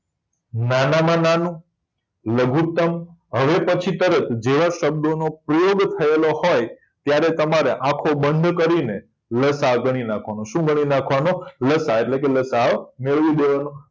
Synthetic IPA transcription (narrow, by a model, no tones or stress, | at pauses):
nanamãnanũ | ləɡʱut̪ːəmɦəʋepət͡ʃʰit̪əɾət̪ʰd͡ʒeʋaʃəb̚d̪onopɾəjoɡt̪ʰəelohoj | t̪jaɾet̪əmaɾeʔãkʰobənd̪ʱkəɾine | ləsaʋɡəɽ̃inakʰʋanoʃũɡəɽ̃inakʰʋanoləsaeʈlekeləsaʋmeɭʋid̪eʋano